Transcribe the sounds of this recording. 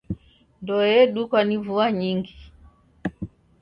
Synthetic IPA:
ndɔjɛɗukwanivuaɲiŋɡi

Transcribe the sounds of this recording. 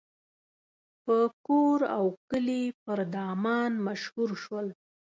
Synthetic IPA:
pəkoɾa̰wkəlipəɾd̪ɑmɑnmaʃhuɾʃwəl

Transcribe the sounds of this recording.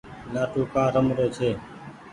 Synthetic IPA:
naːʈʰoːkãːɾəmɾoːt͡ʃʰeː

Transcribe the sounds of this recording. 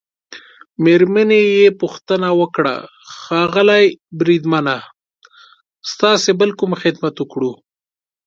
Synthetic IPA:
meɾmənejepuxt̪ənawəkɽa̰ | xɑɣəlajbɾid̪mana | st̪ɑsebəlkumxɪd̪mat̪əkɽu

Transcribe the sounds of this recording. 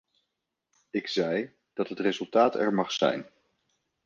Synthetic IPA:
ɪkzɛj | d̥ɑtɦətrezɵlˠtaːtɛ̰ɹmɑχsɛ̰jn

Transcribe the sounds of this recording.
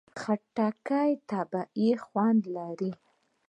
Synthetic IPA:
xaʈːakajt̪ɑbaʔixwand̪laɾi

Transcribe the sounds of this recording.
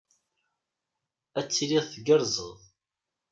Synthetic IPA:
æt͡sːiliʁθəɡəɾzˤə̰ðˤ

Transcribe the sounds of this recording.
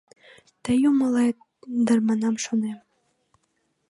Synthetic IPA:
t̪əjuməlɑ | d̪ərmɑnɑmʃonem

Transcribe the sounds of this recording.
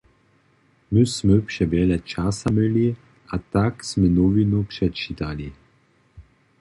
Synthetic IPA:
mysmøpʂɛbɛlɛt͡ʃasaməli | at̪aksmɛnɔvinupʂɛt͡ʃit̪ali

